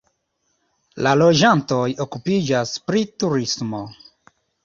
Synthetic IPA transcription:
lalo̞d͡ʒanto̞jokupid͡ʒaspɾituɾismo̞

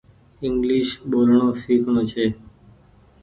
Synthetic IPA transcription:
ɪŋɡliʃɓolɳosikʰɳõt͡ʃʰe

